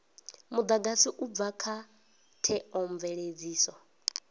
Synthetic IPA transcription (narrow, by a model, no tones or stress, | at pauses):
mud̪aɡasiʔub̪vakʰa | tʰɛɔɱvɛɺed͡ziːsɔ